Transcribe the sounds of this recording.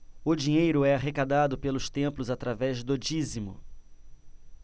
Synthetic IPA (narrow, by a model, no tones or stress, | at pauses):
ʊd͡ʒiɲejɾʊɛaɦekad̪ad̪ʊpelʊst̪ẽmplʊzat̪ɾavɛzd̪od͡ʒizimʊ̰